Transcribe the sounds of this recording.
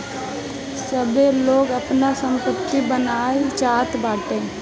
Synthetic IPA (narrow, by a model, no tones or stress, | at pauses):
səbeloːɡəpnasə̃mpɾəpt̪ibənaːet͡ʃaːt̪baːʈẽː